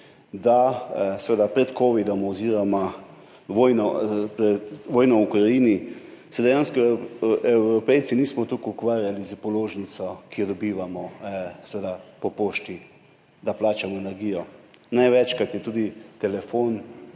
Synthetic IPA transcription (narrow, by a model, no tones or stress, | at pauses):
d̪asʋed̪apɾɛt̪koːʋid̪ɔmɔziːɾɔma | ʋoːjnɔpɾɛʋoːjnɔukɾajiːnisɛd̪ɛjanskɔɛwɾɔpɛj̪siniːsmɔt̪ukukʋaːɾjalizəpɔloːʒnit̪sɔkijɔd̪ɔbiːʋamɔsʋeːd̪apɔpoːʃt̪i | d̪aplaːt͡ʃamɔenɛɾɡiːjɔnajʋɛt͡ʃkat̪jɛt̪uːd̪it̪ɛlɛfon